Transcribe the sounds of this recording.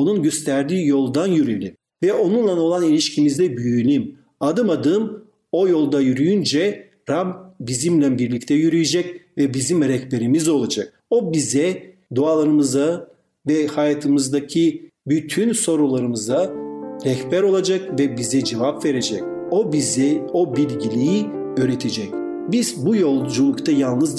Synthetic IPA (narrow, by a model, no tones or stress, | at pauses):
o̞nunɟøst̪ʰæɾd̪iːjo̞lˠd̪anjyɾylʲim | vɛʔo̞nunlˠano̞lˠanilʲiʃcʰimizd̪ɛbyjjylʲim | ad̪ɯmad̪ɯm | o̞jo̞lˠd̪ajyɾyjynd͡ʒɛ | ɾabbizimlʲɛnbiɾlʲic̚t̪ʰɛjyɾyjed͡ʒɛcvɛbizimɾɛhbeɾimizo̞lˠad͡ʒak̚ | o̞bizɛd̪ualˠaɾɯmɯza | vɛhajat̪ʰɯmɯzd̪acʰibyt̪ʰynso̞ɾulˠaɾɯmɯzaɾɛhbæɾo̞lˠad͡ʒakvɛbizɛd͡ʒevapve̞ɾe̞d͡ʒɛcobizɛo̞bilʲɟilʲiji | øːɾet̪ʰed͡ʒɛc | biz̥bujo̞lˠd͡ʒulˠukt̪ʰajalˠnɯz